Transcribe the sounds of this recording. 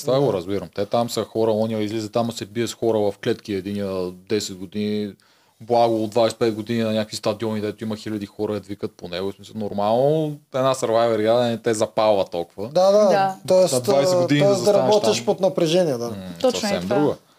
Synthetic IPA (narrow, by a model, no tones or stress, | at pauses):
st̪vaɡoɾɐzbiɾəmt̪ɛt̪amsəxɔɾəɔniɐizlizət̪amɐsɛbiɛsxɔɾəvɐfklɛt̪k̟iɛd̪iniəd̪ɛsɛd̪̚ɡod̪ini | blˠaɡʊːd̪vajsɛ̥pɛt̪̚ɡod̪ininɐnʲjakvist̪ɐd̪iɔniɡ̪d̪ɛt̪ʊimɐxilʲɐd̪ixɔɾəɛd̪vikət̪̚ponɛɡosmisɐlˠnoɾmalˠnoɛd̪nasɐɾvajvɛɾiad̪ɛɛt̪ɛzɐpalˠvɐt̪ɔlˠkvəd̪ad̪aat̪ɔɛsnɐd̪vaj̪ɛɡod̪inɔɛsd̪ɐɾɐabɔt̪iʃpot̪nɐpɾɛʒɛniɛd̪aɔsɐfsɛmd̪ɾuɡə